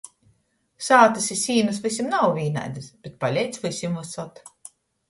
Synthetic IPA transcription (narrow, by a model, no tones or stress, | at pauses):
saːt̪ɨsisʲiːnɨsvɨsʲimnawvʲiːna̰jd̪ɨsb̥et̪̚palʲɛjt̪svɨsʲimvasat̪